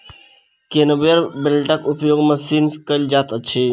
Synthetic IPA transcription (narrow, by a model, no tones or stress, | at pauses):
kenəbəɾbelʈakupjoːɡməsinskəld͡ʒat̪əːt͡ʃʰe